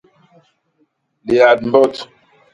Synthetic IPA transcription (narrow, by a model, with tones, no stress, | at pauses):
le˨a˨d̚m̩˦bɔ˦t